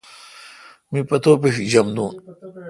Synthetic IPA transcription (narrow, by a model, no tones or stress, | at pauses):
mipɐt̪oːpeʂid͡ʑɐmd̪ũːn